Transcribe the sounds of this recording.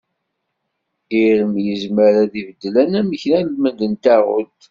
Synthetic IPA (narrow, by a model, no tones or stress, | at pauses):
iɾəmjəzməɾæðivəd̪ːlænæməçnælmənd̪ənt̪æʁʊ̰t̪